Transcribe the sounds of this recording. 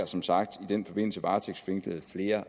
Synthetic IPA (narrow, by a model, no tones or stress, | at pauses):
ɐsɒ̽msɑ̈ɡ̥̚d̥id̥en̰fɒ̽b̥e̝n̰l̩səʋɑ̈ːt͡sʰeɡ̥sfe̝ŋɡ̥ləð̩ˠfle̝ːɐ